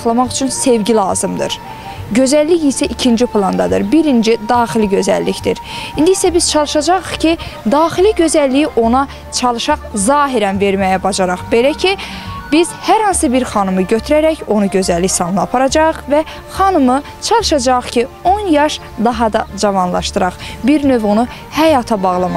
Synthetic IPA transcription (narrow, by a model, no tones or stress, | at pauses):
χlˠɑmɑχyt͡ʃʰynse̞vɟilˠɑ̰ːzɯmd̪ɯ̰ɾ | ɟø̞zælːiçisæʔicʰind͡ʒipʰlˠɑnd̪ɑd̪ɯ̰ɾbiɾind͡ʒid̪ɑːχiliɟø̞zæ̰lːiçd̪iɾind̪iisæbiz̥t͡ʃʰɑlˠɯʃɑd͡ʒɑʁɯχcʰi | d̪ɑːχiliɟø̞zælːijiʔo̞nɑ | t͡ʃʰɑlˠɯʃɑʁzɑːɦiɾænve̞ɾmæjæbɑd͡ʒɑɾɑχbe̞læcʰi | biz̥hæɾhɑnsɯbiɾχɑnɯmɯɟøt̪ʰyɾæɾæço̞nuɟø̞zælːiçsɑnˠnɯɑpʰɑɾɑd͡ʒɑɯχvæ | χɑnɯmɯ | t͡ʃʰɑlˠɯʃɑd͡ʒɑɯχcʰio̞njɑʃ | d̪ɑɦɑd̪ɑd͡ʒɑvɑnlˠɑ̰ʃt̪ɯɾɑʁbiɾnø̞vunu | hæjɑːt̪ʰɑbɑʁlˠɑmɑ